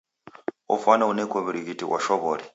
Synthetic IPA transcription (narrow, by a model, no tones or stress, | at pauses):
ɔ̰fanaunɛkɔβiɾikitiwʔa̰ʃɔβɔːɾi